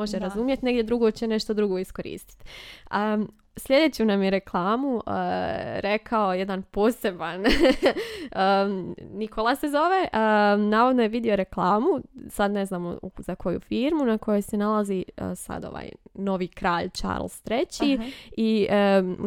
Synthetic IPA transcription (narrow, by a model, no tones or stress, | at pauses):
o̞ʒeɾazumjet̪ne̞ɡd̪ʲjed̪ɾuɡo̞t͡ɕene̞ʃt̪od̪ɾuɡo̞isko̞ɾḭːst̪i̥t̪ə | sʎʲe̞d̪e̞ːt͡ɕunamjeɾe̞klˠaːmuəɾe̞kʰaojed̪anpo̞ːse̞ban | əniko̞lˠase̞zo̞ʋe̞ʔənaːʋod̪nojeʋid̪io̞ɾe̞klˠaːmusad̪ne̞znaːm̰ṵzako̞jṵfiːɾmunako̞jo̞jse̞nalazisa̰d̪o̰ʋa̰ːjno̞ʋiːkɾaːʎt͡ʃa̰ɾlˠst̪ɾe̞t͡ɕii